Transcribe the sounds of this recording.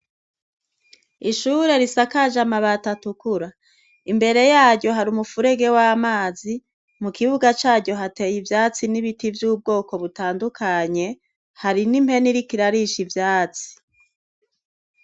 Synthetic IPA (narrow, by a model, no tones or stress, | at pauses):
iʃuɾe̞ɾisakaʒamaβatatukuɾa | imbe̞ɾe̞jaːɟɟo̞ɦaɾumufuɾe̞ɡe̞wamaːzi | mukiβuɡat͡ʃaːɟɟo̞ɦate̞jivjaːt͡siniβitivjuːb̚ɡo̞ːko̞βutaːndukʰaɲe̞ | haɾinim̥he̞niɾikiɾaɾiʃivjaːt͡si̥